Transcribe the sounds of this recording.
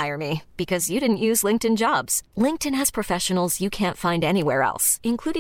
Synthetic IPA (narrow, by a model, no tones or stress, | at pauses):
ɪə˞mib̥ɨkʰʌzjɨɾɪdⁿn̩ʔjʉzlɪ̃ŋk̚tɨ̃nd͡ʒɑbz̥lɪ̃ŋk̚tɨ̃nɨz̥pʰɹ̥ɨfɛʃɨn̩l̩ˠzjɨkʰæ̃ntfãɪ̃ndɛñiwɛɹɛ̰lˠsɨ̃nkʰl̥uɾɪ̃